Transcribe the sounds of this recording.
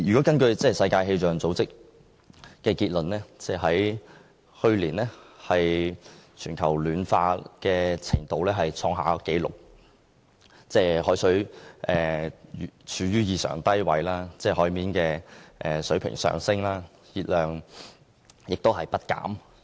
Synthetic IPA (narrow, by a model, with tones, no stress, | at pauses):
jyː˨kɔː˨˥kɐ˥nkɵ˧ɥt͡sɛː˥sɐ˧jkaː˧jɦe˧t͡sœː˨ŋt͡so˨˧˥wt͡sɪ˥k̚ | kɛː˧kiː˧t̚lɵ˨nlɛː˥t͡sɛː˥˩hɐ˨˥j | hɵ˧ɥliː˨˩nlɛː˥hɐ˨jt͡ʃʰyː˨˩nkʰɐ˨˩wlyː˨˥nfa̰ː˧kɛː˧t͡sʰɪ̰˨˩ŋt̪o˨˧wlɛː˥ɦɐ˨jt͡sʰɔː˧ŋɦa̰ː˨˥ke˨˥jlʊ̰˨k̚ | t͡sɛː˥˩hɔː˨˥jsɵ˨˥ɥʔɛː˨ | t͡ʃʰyː˨˧jyː˥jiː˨˧sœ̰ː˨˩ŋt̪ɐ˥jwɐ̰˨˧jlaː˥t͡sɛː˥˧ɦɔː˨˥jmiː˨˥nkɛː˧ʔɛː˨sɵ˨˥pʰɪ̰˨˩ŋsœ̰ː˨ŋsɪ˥ŋlaː˥ | jiː˧t̚lœː˨ŋ | jɪ˨k̚t̪o˥whɐ˨jpɐ˥t̚ka̰ː˨˥m